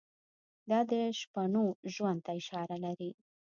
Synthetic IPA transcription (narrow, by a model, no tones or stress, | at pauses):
d̪ɑd̪əʃpaɳoʒwand̪̚t̪aɪʃɑɾalaɾi